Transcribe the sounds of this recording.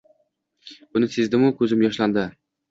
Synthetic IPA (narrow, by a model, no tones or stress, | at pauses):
bʊnɪsezd̪ɪmʊkʲʰɵzɪmjɒʃland̪ɪ